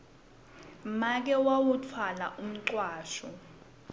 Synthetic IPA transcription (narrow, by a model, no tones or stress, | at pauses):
mak̬ɛwawutʰwala̰ʔum̩ǃwaːʃɔ